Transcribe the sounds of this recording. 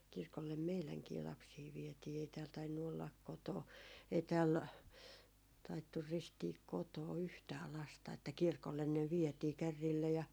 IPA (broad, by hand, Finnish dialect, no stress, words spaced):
kirkolːem meilæŋkiː lɑpsiː ʋiɛtiː ei tæːl tɑinːu olːɑk koto ei tæːl tɑitːur ristiːk kotoː yhtæː lɑstɑ etːæ kirkolːen ne ʋietiː kærːiːlːæ jɑ